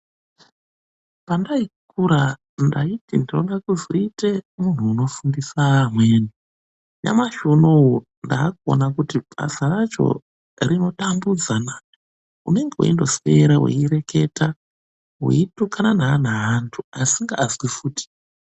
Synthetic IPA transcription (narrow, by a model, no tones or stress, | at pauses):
pandaikʰuɾa | ndaitindino̞ɗakuzoite̞mun̤uːno̞fundisaːmwe̞ːni | ɲa̰maʃonou | ndaːko̰nakutiba̰sarat͡ʃo̞̰ | rino̞tambud͡zana | ṵne̞ŋɡewo̰indo̞swe̞ɾawḛiɾe̞ke̞ta | ɦwḛitukananaːnaɦantʰuasiŋɡaːzwifuːti̥